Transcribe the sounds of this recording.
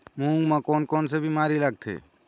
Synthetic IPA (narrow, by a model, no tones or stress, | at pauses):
mũːŋɡmãkoːnkoːnsebʱimaːɾiləɡ̚t̪ʰḛː